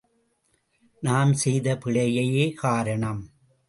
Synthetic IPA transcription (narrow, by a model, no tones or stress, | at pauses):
naːmsɛjðɐpɪɭɐjɐjeːkaːɾɐɳɐm